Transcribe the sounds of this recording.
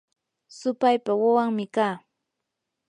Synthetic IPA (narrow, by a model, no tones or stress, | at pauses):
sʊpajpawawaŋmɪkaː